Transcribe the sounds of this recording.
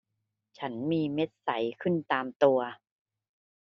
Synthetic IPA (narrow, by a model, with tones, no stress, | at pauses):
t͡ɕʰa˦˥nmiː˧me˦˥t̪̚sa˩˦jkʰɯ˥˩nt̪aː˧mt̪u˧ɐ